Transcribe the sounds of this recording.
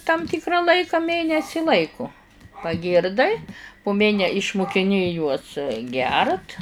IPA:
tɐm ˈtʲɪkrɐ ˈlˠɐɪkɐ ˈmʲeːnʲɛsʲɪ ˈlˠɐɪkoː pɐˈɡʲiːrdɐɪ pʊ ˈmʲeːnʲɛ ɪʃmʊkʲɪˈnʲɪ juɔs ˈɡʲɛrt

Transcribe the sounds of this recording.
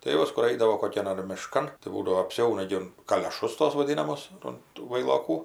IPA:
tɐɪ ˈjuɔs kʊr ˈɐɪdɐʋoː koːˈkʲɛn ɐr mʲɪˈʃkɐn tɐɪ ˈbuːdɐʋoː ɐpʲˈsʲɛʊnɐ ɡʲɪ ˈʊn kɐlʲoːˈʃʊs toːs ʋɐˈdʲiːnɐmoːs ʊn tuː ʋɐɪlˠoːˈkuː

